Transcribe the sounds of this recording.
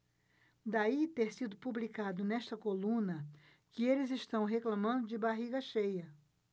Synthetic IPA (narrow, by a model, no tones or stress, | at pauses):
d̪ait̪eɾsid̪ʊpublikad̪ʊnɛʃt̪ɐkolũnɐ | kɪelɪzɪʃt̪ɐ̃w̃ɦeklɐmɐ̃nd̪ʊd͡ʒɪbaɦiɡɐʃejɐ